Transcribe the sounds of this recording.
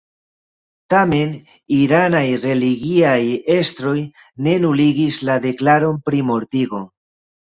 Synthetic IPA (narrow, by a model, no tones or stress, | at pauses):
tame̞n | iɾanajre̞liɡiaje̞stɾo̞j | ne̞nuliɡislade̞klaɾo̞npɾimo̞ɾtiɡo̞